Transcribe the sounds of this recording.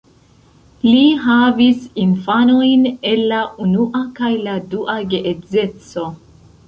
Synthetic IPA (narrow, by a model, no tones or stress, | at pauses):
liɦavisinfano̞jne̞lːaunuʔakajladuʔaɡeʔed͡ze̞t͡so̞